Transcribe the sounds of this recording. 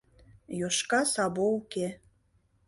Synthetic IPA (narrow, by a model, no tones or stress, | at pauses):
joʃkɑsɑβouke